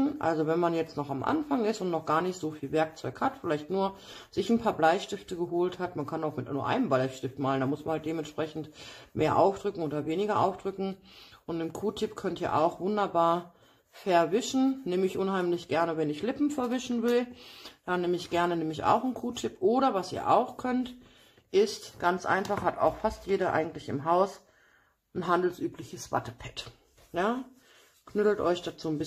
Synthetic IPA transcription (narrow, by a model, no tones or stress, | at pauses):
nʔa̰lzovɛnmanjɛt͡stnɔχamʔa̰nfaŋɪstʊntnɔχɡ̥aːɐnɪçtz̥oːfiːlvɛɐk̚t͡sɔ̰ʏkhatfɪlaɪçtnuːɐ | z̥ɪçn̩pʰaːɐblaɪʃtɪftəɡəɦoːlthatmankʰanaʊxmɪtuːɐʔa̰ɪnəmbaɪçʃtɪftmaːləndamʊsmanhalt̚d̥eːmɛntʃpʁ̥ɛçn̩tmeːɐʔa̰ʊfd̥ʁʏkŋ̩oːdɐveːnɪɡɐʔa̰ʊfd̥ʁʏkŋ̩ʔʊntnɪmkʰuːtʰɪpkʰœntiːɐʔa̰ʊxv̥ʊndɐbaːɐ | fɛɐvɪʃn̩neːməɪçʔʊnɦaɪmlɪçɡ̥ɛɐnəvɛnɪçlɪpm̩fɛɐvɪʃn̩vɪld̥aneːməɪçɡ̥ɛɐnəneːmɪça̰ʊxn̩kʰuːtʰɪpʔoːɾɐvasiːɐʔa̰ʊxkʰœnt | ʔɪstɡ̥ant͡sʔa̰ɪnfaχhata̰ʊxfastjeːɾɐʔa̰ɪɡŋ̩tlɪçɪ̰mɦaʊs | n̩ɦandl̩sʔyːpʰlɪçəsv̥a̰təpʰɛ̥t | jaː | kʰnʏtl̩tʔɔʏçd̥aːt͡suːnbɪ